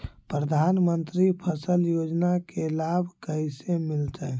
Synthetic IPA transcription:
pɾəd̪ʱanmənt̪ɾipʰəsəljod͡ʒnakelabʱkəisemilt̪ʰə

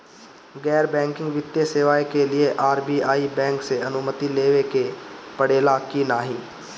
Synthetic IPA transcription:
ɡɛːɾbɛ̃ːŋkɪ̃ŋɡʋɪt̪ːjeseːʋaːekelɪeʔaːɾbiːaːiːbɛ̃ːŋkseənʊmət̪ileːʋekepəɽeːlaːkiːnaːɦĩː

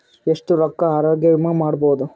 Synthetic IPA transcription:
eʂʈuɾɐkːɐaːɾoːɡjɐʋmɐmaːɖboːd̪u

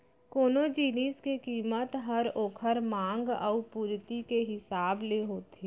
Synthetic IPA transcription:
koːnod͡ʒiːniːskekiːmət̪ɦəɾoːkʰəɾmãːŋɡə̰ʊpuːɾt̪ikeɦɪsaːbleɦoːt̪e

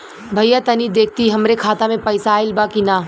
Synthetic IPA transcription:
bʱɐjat̪ɐnid̪eːk̚ʰt̪iɦɐmɾekʰaːt̪amẽpɐɪsaːɪlbakinaː

